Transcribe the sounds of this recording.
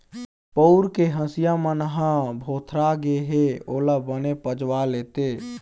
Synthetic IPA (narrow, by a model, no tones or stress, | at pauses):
pəʊɾkeɦə̃sijamənəɦãbʱot̪ʰɾaɡeɦeolabənepəd͡ʒwalet̪e